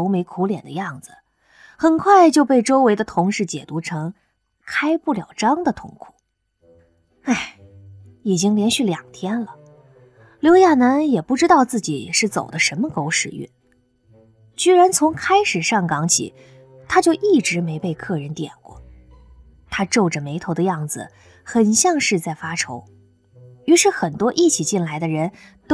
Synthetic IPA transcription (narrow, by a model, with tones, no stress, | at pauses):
o˧˥ʊme˧˥ɪkʰu˧˥ljɛ˨˩nd̪ə˦jɑ˥˩ŋd͡zɹ̩˩ | xə˨˩nkʰwa˥˧ɪt͡ɕjo˥˧ʊpe˥˩ɪʈ͡ʂo˥ʊwe˧˥ɪd̪ə˧t̪ʰʊ˧˥ŋʂɻ̩˥˩t͡ɕjɛ̰˨˩t̪u˧˥ʈ͡ʂʰɤ˧˥ŋ | kʰa˥ɪpu˥˩ljɑ˨˩ʊʈ͡ʂɑ˥ŋd̪ə˨t̪ʰʊ̰˥ŋkʰu̥˨˩˦ | a˥˩ɪ | i˨˩t͡ɕi˥ŋljɛ˧˥nɕy˥˩ljɑ˨˩ŋt̪ʰjɛ˥nlə˨ | ljo˧˥ʊja˥˩na˧˥njɛ˨˩pu˥˩ʈ͡ʂɻ̩˥t̪ɑ˥˧ʊt͡sɹ̩˥˩t͡ɕi˨˩ʂɻ̩˥˩t͡so˨˩ʊd̪ə˦ʂə˧˥nmə˧ko˧˥ʊʂɻ̩˨˩y̰˥˩n | t͡ɕy˥ɻa˧˥nt͡sʰʊ˧˥ŋkʰa˥ɪʂɻ̩˨˩ʂɑ˥˩ŋkɑ˧˥ŋt͡ɕʰḭ˨˩˦ | t̪ʰa˥t͡ɕjo˥˧ʊʔi˥˩ʈ͡ʂɻ̩˧˥me˧˥ɪpe˥˧ɪkʰɤ˥˩ɻə˧˥nt̪jɛ̰˨˩nkwɔ̰˥˩˦ | t̪ʰa˥ʈ͡ʂo˥˩ʊʈ͡ʂə˩me˧˥ɪt̪ʰo˧˥ʊd̪ə˧jɑ˥˩ŋd͡zɹ̩̰˩ | xə˨˩nɕjɑ˥˧ŋʂɻ̩˥˧t͡sa˥˩ɪfa˥ʈ͡ʂʰo˧˥ʊ | y˧˥ʂɻ̩˥˩xə˨˩nt̪wɔ˥ʔi˥˩t͡ɕʰi˨˩t͡ɕi˥˩nla˧˥ɪd̪ə˧ɻə˧˥nt̪